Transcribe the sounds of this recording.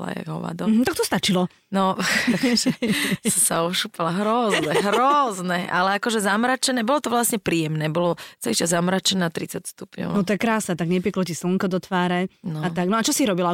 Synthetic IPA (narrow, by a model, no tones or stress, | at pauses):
la̰ja̰ɡɦɔ̰ʋa̰d̪ɔm̩ɦ̩t̪ak̚t̪ɔst̪at͡ʃilɔ | nɔ | ssaɔʃupalaɦɾɔzɛɦɾɔznɛʔa̰lɛakɔʒɛzamɾat͡ʃɛnɛːbɔlɔt̪ɔʋlasɲɛpɾiːjɛmnɛːbɔlɔt͡sɛliʃt͡ʃazamɾat͡ʃɛnɛt̪ɾit͡sacst̪upɲɔ̰ʊnɔt̪ɔjɛkɾaːsnɛːt̪aɡɲɛp̬ɪɛklɔcisluŋkɔd̪ɔt̪ʋaːɾɛnɔat̪aɡnɔat͡ʃɔsiɾɔbila